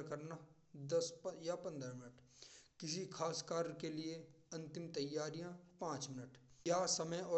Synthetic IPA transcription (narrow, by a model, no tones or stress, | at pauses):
lkɐɾna | d̪ɐspjapɐ̃nd̪ɾamɪnəʈ | kɪsikʰaːskaːɾkelie | ɐ̃nt̪ɪmt̪ɐjːaːɾijãpãːt͡ʃmɪnəʈjasɐməjɔː